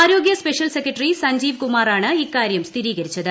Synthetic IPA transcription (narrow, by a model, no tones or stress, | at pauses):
aːɾo̞ːɡjɐspeʂjɐlsekːɐʈrisɐɲd͡ʑiːʋkumaːraːɳɨikːaːɾjɐmst̪ʰiɾiːɣɐɾit͡ɕːɐðɨ